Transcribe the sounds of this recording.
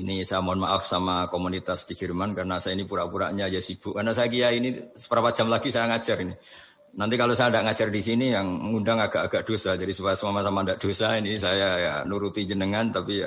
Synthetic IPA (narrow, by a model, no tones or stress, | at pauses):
inisajamonmaʔafsamakomunit̪asdid͡ʒərmankarənasajainipuɾaʔpuɾa̰ʔɲajasib̥ʊʔkarnas̬ajak̬ijainisə̥pəɾapat̚d͡ʒ̥amlaɡisajaŋat͡ʃərini | nant̪ikalosajandaʔŋat͡ʃərdis̬inijaŋːundaŋaɡ̥aʔaɡ̥aʔd̥osad͡ʒadisupajasəmamasamandaʔd̥osainisajaja̰nuɾut̪id͡ʒənəŋant̪api